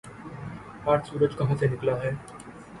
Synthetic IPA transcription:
aːɾsuːɾəd͡ʒkɐɦãsenɪklaɦɛː

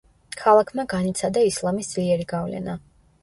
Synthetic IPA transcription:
kʰalˠakʰmaɡanit̪sʰad̪aislˠamisd̪z̥liɛɾiɡavlɛ̰na

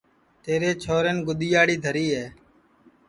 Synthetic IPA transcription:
t̪eːɾeːt͡ʃʰoːɾeːnɡʊɗ̪iːjaːɽiːd̪ʱəɾiːɦɛː

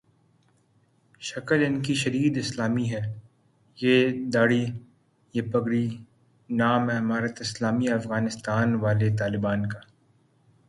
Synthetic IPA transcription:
ʃɐkəlɪnkiʃɐd̪iːd̪ɪslaːmiɦɛː | jeːd̪aːɽi | jeːpɐɡɽi | naːmɦɛɦɐmaːɾət̪ɪslaːmiɐfɣaːnɪst̪aːnʋaːlet̪̬aːlɪbaːnkaː

